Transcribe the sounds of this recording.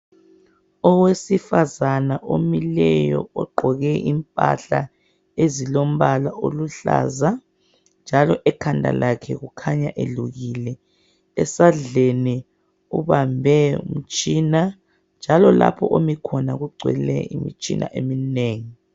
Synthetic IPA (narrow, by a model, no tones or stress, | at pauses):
ɔwesifazanaʔomilɛjɔ̰ɔɡ͡ǃʱɔɣɛʔimpʼa̰ɬa | ezilom̩βalaʔoluɬa̰za | nd͡ʒʱalɔʔɛkʰandʱa̰lakʰɛɣukʰaɲaʔeɮuɣilɛ | ɛsaɮeni | uβambʱɛum̩t͡ʃʼina | nd͡ʒʱalɔla̰pʰɔʔomikʰɔnaɣuɡ͡ǀʱwɛ̰lɛ̰ḭmḭt͡ʃʼḭnʔa̰ʔemineːŋi